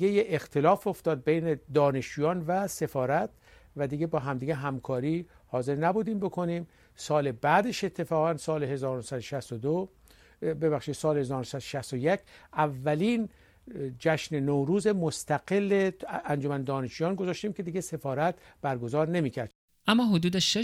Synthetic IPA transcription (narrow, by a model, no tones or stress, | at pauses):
ɡejeext̪ʰe̞lɒːfo̞ft̪ɒːd̪̚bejned̪ɒːne̞ʃd͡ʒuːjɒːnvæse̞fɒːɾæt̪ | væd̪iːɡe̞bɒːɦæmd̪iːɟeɦæmkʰɒːɾiːhɒːze̞ɾnæbuːd̪iːmbo̞kʰo̞niːm | sɒːlebæːd̪eʃe̞t̪ʰːe̞fɒːɣænsɒːlehe̞zɒːɾonosæd̪oʃæst̪od̪o | be̞βæχʃiːd̪̥sɒːlehezɒːɾonosæd̪oʃæst̪ojecʰʔævːæliːn | d͡ʒæʃnenowɾuːzemost̪æɡelːeænd͡ʒo̞mænd̪ɒːneʃuːjɒːnɡozɒːʃt̪iːmkʰe̞d̪iːɟese̞fɒːɾæt̪b̥æɾɡo̞zɒːɾne̞miːcʰæɾd̪ | ʔæmːɒːɦod̪uːd̪eʃe